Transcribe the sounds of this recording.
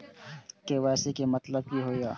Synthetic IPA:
keʋɛːsekemɐt̪ləb̚kiɦoːjaː

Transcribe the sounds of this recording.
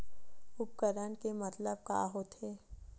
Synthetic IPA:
ʊp̚kəɾənkemət̪ləb̚ka̰ːɦoːt̪eː

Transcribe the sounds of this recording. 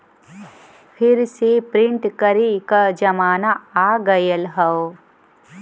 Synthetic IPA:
pʰɪɾsepɾɪ̃ɳʈkəɾekad͡ʒɐmaːnaaːɡəjəlɦɐo

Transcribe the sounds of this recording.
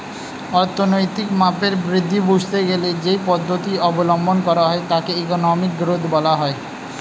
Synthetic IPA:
ɔɾt̪ʰonojt̪ikmapeɾbɾid̪ʱːibud͡ʑʱt̪eɡeled͡ʑejpɔd̪ʱːot̪iɔbolombonkɔɾaɦɔet̪akeekonɔmik̚ɡɾod̪ʱbɔlaɦɔe

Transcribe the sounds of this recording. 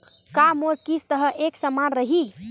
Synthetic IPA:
kamoɾkist̪əɦəʔeksəmanɾəɦi

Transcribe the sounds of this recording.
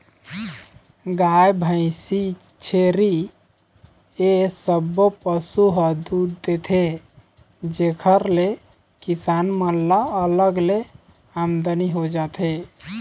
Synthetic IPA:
ɡajbʱə̃ɪ̃si | t͡ʃʰeɾi | esəbːopəsuɦəd̪ud̪ːet̪ʰe | d͡ʒekʰəɾle | kisanmənlaələɡle | amd̪əniɦod͡ʒat̪ʰe

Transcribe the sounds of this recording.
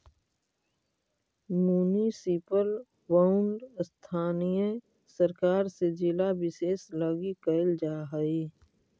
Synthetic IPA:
muːnisipəl | waʊɳɖst̪ʰaːnijẽ | səɾkaːɾsed͡ʒɪlabɪseːsləɡikəɪld͡ʒaːɦəi

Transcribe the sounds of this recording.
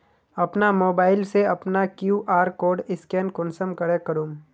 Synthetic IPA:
ɐpnamoːbaːɪlseɐpnakjuːʔaːɾkoːɾɖɪskɛːnkɔ̃ːnsəmkɐɽekəɾuːm

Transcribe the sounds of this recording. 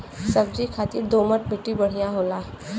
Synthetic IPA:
sɐb̚d͡ʒikʰaːt̪id̪oːməʈ̚bʱeʈːibɐɽ̤ijãɦoːlaː

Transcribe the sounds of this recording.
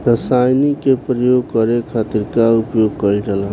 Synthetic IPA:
ɾəsajnikepɾəjoɡ̚kəɾekʰat̪iɾkaupjoɡkəɾiɾəla

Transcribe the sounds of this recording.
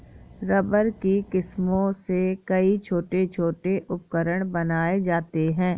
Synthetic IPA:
ɾɐbəɾkikɪsmõsekɐit͡ʃʰoːʈet͡ʃʰoːʈeʔʊpkəɾəɽ̃bɐnaːed͡ʒaːt̪eɦɛ̃ː

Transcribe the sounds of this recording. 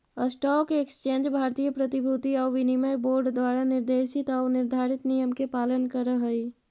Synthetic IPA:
əsʈɔːkekst͡ʃẽːnd͡ʒbʱaːɾt̪ijəpɾət̪ibʱut̪iɔːʋɪniməboːɾɖd̪waːɾanɪɾd̪eːʃɪt̪ɔʊnɪɾd̪ʱaːɾit̪nijəmkepaːlənkəɾəɦəi

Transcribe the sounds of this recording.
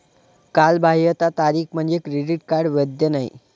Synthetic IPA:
kalbʱaɦijət̪at̪aɾiːkm̤əɳd͡zekɾeɖiʈ̚kaɾɖʋəd̪jənaḭ

